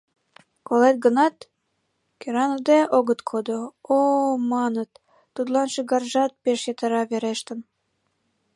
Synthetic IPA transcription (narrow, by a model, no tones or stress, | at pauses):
kolet̪̚ɡənɑt̪ | keɾɑnəd̪eʔoɣət̪kʰod̪oomɑnət̪ː | ut̪lɑnʃəɣɑrʒɑt̪̚peʃjet̪ə̆ɾɑβeɾeʃt̪ə̆n